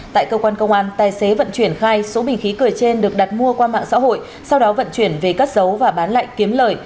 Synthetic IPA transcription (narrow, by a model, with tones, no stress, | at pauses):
t̪a̰ː˧˨jkəː˧kwaː˧nkə˧wŋ͡mʔaː˨˦nt̪aː˨˩jse˨˦və̰˧˨nt͡ɕwi˧˩ənxaː˧jso˨˦ɓï˨˩ŋ̟xi˨˦kɨ˨˩əjt͡ɕe˧nɗɨ˨˩ək̚ɗa˨˩t̚mu˧əkwaː˧ma̰ː˧˨ŋsa̰ː˧˥ɦo̰˧˨j | sa˧wɗɔ˨˦və̰˧˨nt͡ɕwi˧˩ənve˨˩kə˦˥t̚zə˨˦wvaː˨˩ɓaː˨˦nla̰ː˧˨jki˨˦əmləː˨˩j